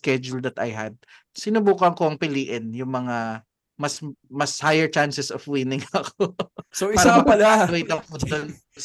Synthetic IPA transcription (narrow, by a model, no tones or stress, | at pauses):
skɛd͡ʒʊld̪ɐt̪a̰jɦa̰d̪̚ | sɪnʊbuːkɐŋko̞ʔɐŋpɪliːʔɪnjʊŋmɐŋa | mɐsmɐshajɛɹt͡ʃansɛsofwinɪŋɐkosoʔiaːɾɐɐpɐlawejt̪ɐpod̪on